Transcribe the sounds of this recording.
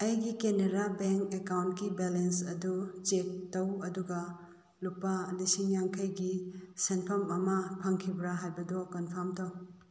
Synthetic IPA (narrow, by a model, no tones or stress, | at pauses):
ɐjɡikeneɾabeŋkekawntɡibelensɐdut͡ʃek̚tɐwɐduɡɐ | lupːalisiŋjaŋkʰɐjɡisenpʰɐmɐmɐpʰɐŋkʰibɾaɦajbɐdɔkɔnpʰɐɾmtɐw